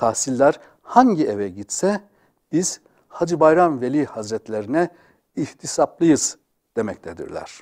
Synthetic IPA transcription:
t̪ʰahsilʲːæɾ̥ | haɲɟievɛɟit̪sɛ | b̥iz̥ | had͡ʒibajɾanvelʲihazɾɛt̪lʲeɾinɛ | iht̪ʰisaplˠɯjɯz̥ | d̪̥e̞mɛct̪ʰed̪ḭɾlʲæ̰ɾ̥

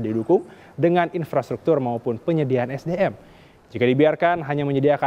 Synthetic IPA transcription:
didukʊŋ | dəŋaninfɾast̪ɾuk̚t̪ʊrmaupʊnpəɲədianɛsdeɛm | d͡ʒikadibiarkanɦaɲaməɲədiaka

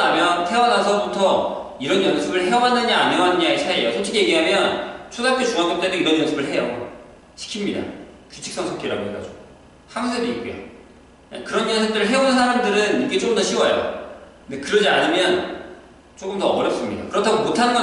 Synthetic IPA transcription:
amjʌntʰe̞wʌnasʰʌbutʰʌ | iɾʌnjʌnsʰɯbɯɭɦe̞wʌɦanːɯɲiaɲiʌɦanɯɲaesʰaejosʰʌt͡ɕʰikʰeje̞ɡiɦamjʌnt͡ɕʰodap̚k͈et͡ɕuŋak͈et͈edeiɾʌɲjʌnsʰɯbɯɭɦe̞jo̰ | t͡ɕʰi̥kʰimɲida̰kut͡ɕʰiks͈ʌŋsʰʌkʰiɾa̰ɡoɦeɡa̰d͡ʑoɡ | haŋus̬ʰediik͈ujo̰ | a̰kɯɾʌnjʌnsʰɯd͈ɯɾɯɭɦe̞onɯnsʰaɾamdɯɾɯnik͈e̞t͡ɕ͈oɯmdʌɕʰiwʌjo̰ | ndekɯɾʌd͡ʑiaɲimjʌn | t͡ɕ͈ok͈ɯmtʌːbʌɾjʌp̚s͈ɯmɲida̰kɯɾʌtʰaɡomotʰanɯnɡʌ

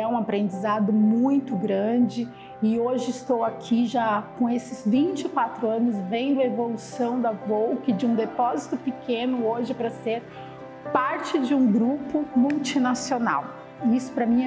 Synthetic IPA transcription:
ɛũapɾẽnd͡ʒizad̪ʊmũj̃t̪ʊɡɾɐ̃d͡ʒɪ | ɪoʒɪist̪owakʰiʒakõw̃esɪzvĩnt͡ʃɪkwat̪ɾʊɐ̃nʊzvẽj̃d̪ʊɐevolusɐ̃w̃d̪ɐvowkɪd͡ʒɪũd̪epɔzit̪ʊpɪkʰẽnʊoʒɪpɾɐseɾ | paɾt͡ʃɪd͡ʒɪũɡɾupʊmuwt͡ʃinasiona̰w | isʊ̥pɾɐmĩ

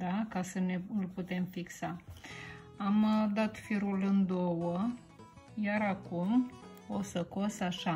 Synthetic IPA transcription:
d̪akasəne̞ɨlput̪e̞mfiksa | amd̪at̪fiɾulɨnd̪o̞wə | jaɾakum | osəko̞saʃa

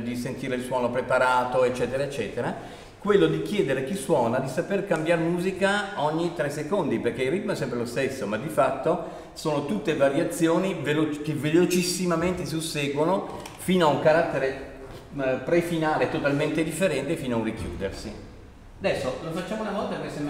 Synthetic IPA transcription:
d̪isent̪iːɾeilswɔːnopɾepaɾaːt̪oet͡ʃːɛːt̪eɾaet͡ʃːɛːt̪eɾa | kwelːod̪ik̟jɛːd̪eɾek̟isːwɔːnad̪isaperkambjaɾemuːzikaɔɲːit̪ɾɛsːekond̪iperk̟eilrit̪̚mɛsːɛmpɾelost̪esːomad̪ifat̪ːo | soːnot̪ut̪ːevaɾjat̪sːjoːnivelokevelot͡ʃisːimament̪es̬iusːeːɡwono | fiːnoauŋkaɾat̪ːeɾe | pɾefinaːlet̪ot̪alment̪ed̪ifːeɾɛnt̪efiːnoaurikjṵːd̪ersi | ad̪ɛsːolofat͡ʃːaːmounavɔlt̪akesen

